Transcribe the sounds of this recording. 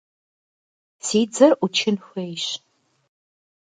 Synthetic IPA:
sid͡zɨrut͡ʃʰɪnxʷejɕ

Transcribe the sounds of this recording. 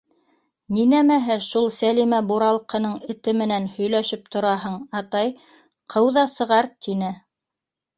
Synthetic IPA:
ninæmæɦɘʃulˠsælimæbuɾɑlˠqɤ̆nɤɴɘ̆t̪ɘmɘ̆nænhɵ̆jlæʃɘp̚t̪ʰŏɾɑɦɤɴɑt̪ɑj | qʰɤwðɑsɤ̆ʁɑɾt̪ʰinɘ

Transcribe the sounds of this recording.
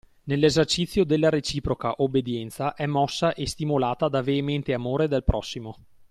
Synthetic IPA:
nelːezert͡ʃit̪sːjod̪elːaɾet͡ʃiːpɾokaʔobːed̪jɛnt̪saʔɛmːɔsːaʔest̪imolaːt̪ad̪aveːment̪eamoːɾed̪elpɾɔsːimo

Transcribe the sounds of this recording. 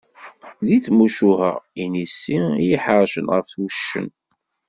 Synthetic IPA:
ðiθmuʃuhə̰ʁinisːijiħəɾˤʃə̰nʁəfθuʃːə̰n

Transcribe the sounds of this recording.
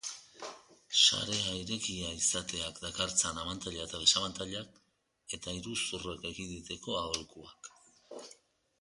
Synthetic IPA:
sa̰ɾe̞aiɾe̞kiaisat̪e̞akd̪akaɾt͡sanamant̪aʎaet̪aðe̞samant̪aʎak | e̞t̪aiɾusure̞ke̞ɣind̪it̪e̞ko̞aðolkuak

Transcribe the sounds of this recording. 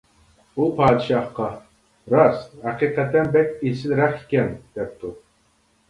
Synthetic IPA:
upʰɑːd̪ɨʃɑhqɑ | ɾɑshæqiːqɛt̪ɛnbɛk̚ʲesɪlɾæχi̥kʲɛnd̪̥ɛp̚t̪ʰu

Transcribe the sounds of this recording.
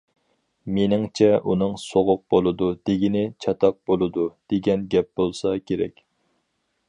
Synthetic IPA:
menɪŋt͡ʃʰɛʔunɨŋsoʁʊq̚bolˠɨd̪ud̪̥eɡʲinɪt͡ʃʰɑt̪ʰɑq̚bolˠɨd̪ud̪̥eɡʲɛnɡʲɛp̚bolˠsɑkʲʰeɾɛ̰kʲ

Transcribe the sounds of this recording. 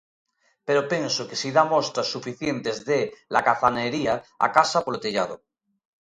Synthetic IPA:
peɾopẽ̞nsokesiðamost̪ɾasːufiθjent̪ezðela̰kaθaneɾiaa̰kasapolot̪eʎað̞o

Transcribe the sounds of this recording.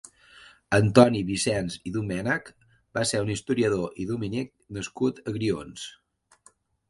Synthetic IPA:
ənt̪ɔniβisɛnziðumɛnək | baseɾunist̪uɾiəðoʔiðuminik̚nəskut̪əɣɾions

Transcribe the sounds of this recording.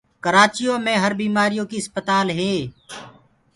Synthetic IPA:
kəɾaːt͡ʃijõːmẽːɦəɾbiːmaːɾijõːkiːəspət̪aːlɦeː

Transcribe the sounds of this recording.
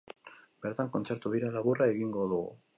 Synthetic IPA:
be̞ɾt̪aŋko̞nt͡se̞ɾt̪uðiɾalaβurae̞ɣiŋɡo̞ðuɣṵ

